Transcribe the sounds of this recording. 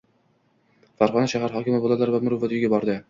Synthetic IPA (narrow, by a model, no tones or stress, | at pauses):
faɾχɒnaʃaɦaɾɦɒkʲɪmɪbolˠalaɾvamʊɾʊvat̪jɡʲabɒɾd̪ɪ